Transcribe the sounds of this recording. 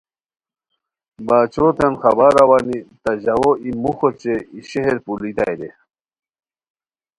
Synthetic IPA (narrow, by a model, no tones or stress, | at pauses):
bat͡ɕot̪ʰanxɐbaɾawanit̪aʑawoimuxot͡ɕeiɕeɦeɾpulit̪a̰jd̪e